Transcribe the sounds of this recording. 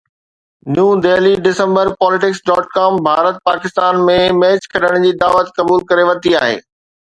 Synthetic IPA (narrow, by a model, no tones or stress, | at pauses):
njũːd̪eːliɖɪsə̃mbəɾpɔːlɪʈɪksɖɔːʈkaːmbʱaːɾət̪̚paːkɪst̪aːnmẽmɛːt͡ɕkʰɐɗəɽ̃d͡ʑiːd̪aːʋət̪kɐbuːlkɐɾeʋɐt̪iaːɦḛː